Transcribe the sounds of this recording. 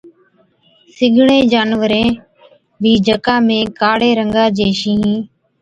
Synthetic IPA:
sɪɡʱɳẽːd͡ʒaːnʋəɾẽː | bʱiːd͡ʒʱəkãːmẽːkaːɽeːɾəŋɡaːd͡ʒeːʃiːɦĩː

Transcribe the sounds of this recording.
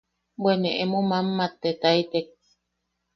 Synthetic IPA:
bweneʔemomamːat̪ːet̪ait̪ek̚

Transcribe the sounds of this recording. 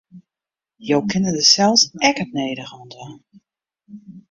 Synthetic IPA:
jowkʰɪnədəsɛlˠsɛkət̚nejdəɣɔnda

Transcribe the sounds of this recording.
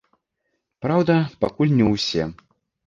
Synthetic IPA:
pɾawd̪ɐpakulʲnʲɛwsʲɛ

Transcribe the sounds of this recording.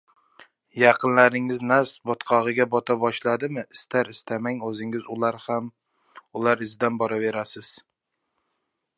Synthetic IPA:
jɑqɨnlaɾɪŋɪznasbɒt̪qʰɒʁɨɡʲabɒt̪ʰabɒʃlad̪ɪmɪʔɪst̪ʰaɾɪst̪ʰamaŋɵzɪŋɪzʊaɾam | ʊlaɾɪzd̪anbɒɾave̞ɾasɪz̥

